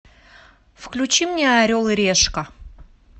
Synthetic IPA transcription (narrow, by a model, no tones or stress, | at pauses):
fklʲʉt͡ɕimnʲeaɾʲolˠɨɾʲeʂkə